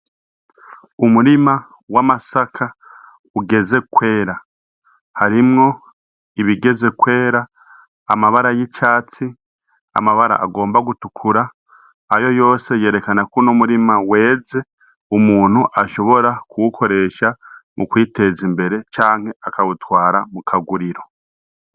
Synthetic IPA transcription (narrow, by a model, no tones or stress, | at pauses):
umuɾima | wamasakʰa | uɡe̞ze̞kwe̞ːɾa | haɾimŋo̞ | iβiɡe̞ze̞kwe̞ːɾaː | maβaɾajit͡ʃaːt͡si | a̰maβaɾa̰ʔa̰ɡo̞ːmbaɡutukʰuɾaː | jo̞jo̞ːse̞je̞ːɾe̞kanakunumuɾimawe̞ːze̞ | umuːn̥huʔaʃo̞βo̞ɾakuwukʰo̞ɾe̞ːʃamʔukwiːte̞zimbe̞ɾe̞t͡ʃaːŋ̥he̞akaβutwaːɾamukʰaɡuɾiɾo̞